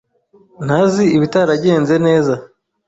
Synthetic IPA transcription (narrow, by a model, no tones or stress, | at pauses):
n̥haziiβitaɾaɟe̞ːnze̞ne̞ːza